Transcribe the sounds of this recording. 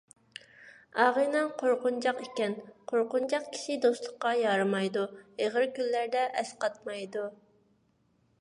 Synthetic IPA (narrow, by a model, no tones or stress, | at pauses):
ɑʁənɨŋqʰoɾqʊnd͡ʒɑqikʲɛnqʰoɾqʊnd͡ʒɑqkʲʰi̥ʃɪd̪ost̪lˠʊqːɑjɑɾɨmɑjd̪ueʁəɾkʲylːæɾd̪ɛʔɛsqɑt̪̚mɑjd̪u